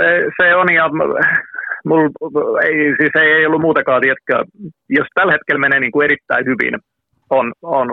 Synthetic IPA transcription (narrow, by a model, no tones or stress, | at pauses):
seseonjɑ | muleisiseieiolːumuːt̪ɑkɑːt̪iæt̪kˑæ̰ːˑ | jost̪ælhet̪kelmeneːniːŋkueɾit̪ːæ̰ihyʋḭn | onon